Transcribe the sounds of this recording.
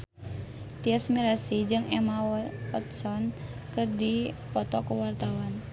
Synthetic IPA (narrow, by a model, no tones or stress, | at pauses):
t̪iɛsmiɾasid͡ʒɨŋɛmawɔt̪sɔn | kɨrdipɔt̪ɔkəwart̪awan